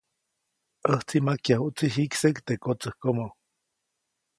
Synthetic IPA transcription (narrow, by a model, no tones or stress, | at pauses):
əht͡simakjahuʔt͡siɦiksekt̪ekot͡səhkomo